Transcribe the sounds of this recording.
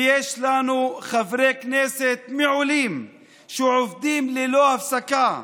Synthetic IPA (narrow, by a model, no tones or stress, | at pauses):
jeːʃlanuxavɾeːkneːset̪mɪʕuliːm | ʃuʕofd̪iːmlɪloːhafsaka